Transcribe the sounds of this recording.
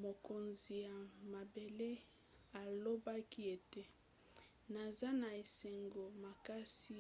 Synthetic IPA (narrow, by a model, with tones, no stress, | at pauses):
mo˨ko˨nzi˨ja˨ma˨be˨le˦ | a˨lo˦ba˦ki˦e˨te˦ | na˨za˦na˨e˨se˨ŋɡo˨ma˨ka˦si˦